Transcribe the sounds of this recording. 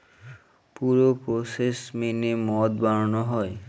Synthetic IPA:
puɾopɾosesmenemɔd̪baɾonoɦɔe

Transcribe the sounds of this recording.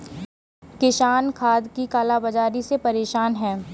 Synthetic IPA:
kɪʃaːnkʰaːd̪kikaːlabɐd͡ʒaːɾisepɐɾeːʃaːnɦɛ̃ː

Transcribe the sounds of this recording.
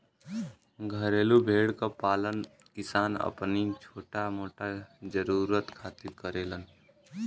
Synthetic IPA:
ɡʱəɾeːlubʱeːɽkapaːlən | kɪsaːnə̰pnit͡ʃʰoːʈamoːʈad͡ʒəɾuːɾət̪kʰaːt̪iɾkəɾeːlən

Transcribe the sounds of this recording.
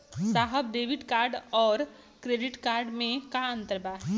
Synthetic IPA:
saːɦəbɖeːʋɪʈkaːɾɖɔːɾ | kɾeːɖɪʈkaːɾɖmẽkaɐ̃nt̪əɾbaːɦ

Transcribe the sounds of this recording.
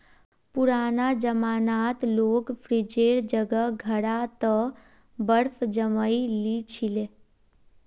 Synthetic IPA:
puɾaːnad͡ʒəmaːnaːt̪loːkpʰɾid͡ʒeɾd͡ʒəɡəɡʱəɽat̪ə | bəɾpʰd͡ʒəməilit͡ʃʰile

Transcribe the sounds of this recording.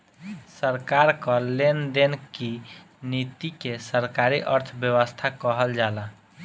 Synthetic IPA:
səɾkaɾkəlend̪enki | nit̪ikesəɾkaɾiʔəɾt̪ʰbjəwəst̪ʰakəɦəld͡ʒala

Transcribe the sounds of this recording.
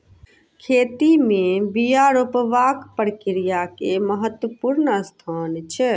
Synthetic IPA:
kʰeːt̪imẽbijaɾopəʋakpəɾkiɾijakeməɦət̪wəpuɾnəst̪ʰant͡ʃʰɛ

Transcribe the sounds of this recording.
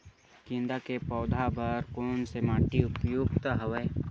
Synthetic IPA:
kɪ̃nd̪akepɔːd̪ʱabəɾkoːnsemaːʈiʊpjuːɡt̪əɦəʋeː

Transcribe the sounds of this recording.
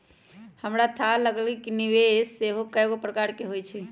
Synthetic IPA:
həmɾat̪ʰaləɡəlɡikiniʋesːeɦokəjɡopɾəkaɾkeɦojt͡ʃʰe

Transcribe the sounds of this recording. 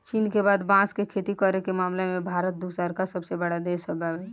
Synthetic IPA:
t͡ʃiːnkebaːd̪bãskekʰeːt̪ikəɾekemaːmlemẽbʱaːɾət̪̚d̪uːsəɾkasəbsebəɽad̪eːsəbabɛ

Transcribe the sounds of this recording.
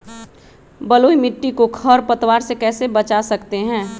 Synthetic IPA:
bəloːimɪʈːikokʰəɾpət̪waːɾsekɛːsebət͡ʃasɐkt̪eɦɛ̃ː

